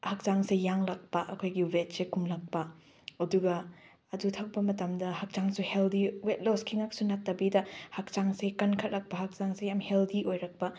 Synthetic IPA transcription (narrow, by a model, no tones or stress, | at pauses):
hɐk̚t͡ʃaŋsejaŋlɐk̚pɐʔɐkʰojɡiwet̚sekumlɐk̚pɐ | ɐduɡɐː | dutʰɐk̚bɐmɐtɐmdɐhɐk̚t͡ʃaŋsuheldiwet̚loskʰiŋak̚sunɐtːɐbidɐhak̚t͡ʃaŋsekɐnkʰɐt̚lɐk̚pɐɦak̚t͡ʃaŋsejamheldiʔojɾɐk̚pɐ